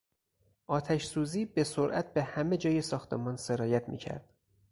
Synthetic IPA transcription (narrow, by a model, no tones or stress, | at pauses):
ʔɒːt̪ʰæʃsuːziːbe̞soɾʔæt̪̚be̞hæme̞d͡ʒɒːjesɒːxt̪ʰḛmɒːnse̞ɾɒːjæt̪ʰmḭːcʰæ̰ɾd̪̥